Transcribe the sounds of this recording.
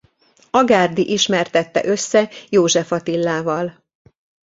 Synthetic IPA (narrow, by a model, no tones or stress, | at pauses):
ɒɡaːrd̪iʔiʃmɛrt̪ɛt̪ːɛ̰ʔø̞sːɛjoːʒɛfɒt̪ilːaːvɒl